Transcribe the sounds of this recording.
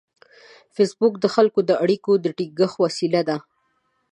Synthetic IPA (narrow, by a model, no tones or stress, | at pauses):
fesbʊkd̪əxalkod̪əaɽikod̪əʈiɡəxwasilad̪a